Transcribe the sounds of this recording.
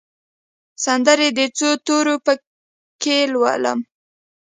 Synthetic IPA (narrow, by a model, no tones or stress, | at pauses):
sand̪əɾed̪ət͡sot̪oɾopə | kelwa̰lə̰m